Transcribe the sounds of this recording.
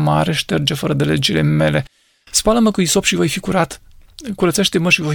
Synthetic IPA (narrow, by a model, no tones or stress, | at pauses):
maɾeʃt̪erd͡ʒefəɾəd̪eled͡ʒilḛme̞le̞ | spaləməkuiso̞pʃivojfikuɾat̪kuɾət̪seʃt̪eməʃivo